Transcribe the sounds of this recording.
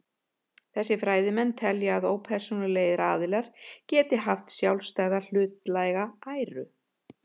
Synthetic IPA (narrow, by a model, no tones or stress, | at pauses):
θɛsːɪfɾaːjðɪmɛnːt̪ʰɛljaaðoːwpʰɛr̥sunɪleːjɾaːðɪlaɾ̥cɛːt̪ɪɦaft̪sjawlst̪aɣðal̥ʏːt̪lajɣaaːjɾʏ